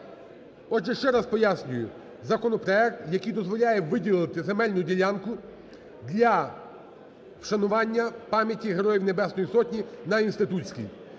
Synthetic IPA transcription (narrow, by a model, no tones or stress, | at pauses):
ɔʒɛʃt͡ʃɛɾɑspɔjasʲnʲʊjʊ | zɐkɔnɔpɾɔɛk̚t̪jɐkijd̪ɔzʋɔlʲajɛʋɪdʲilˠɪt̪ɪzemɛlʲnʊdʲilʲankʊ | d̪lʲɐ | wʃɐnʊʋɑnʲːɐpɑmʲjɐtʲiɦeɾɔjiwnebɛsnɔjisɔtʲnʲinɐinst̪ɪt̪ut͡sʲkʲḭj